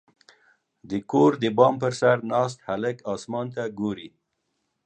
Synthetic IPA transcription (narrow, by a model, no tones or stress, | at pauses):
d̪əkoɾd̪əbɑmpəɾsaɾnɑs̬t̪halɪkɑsmɑnt̪aɡoɾi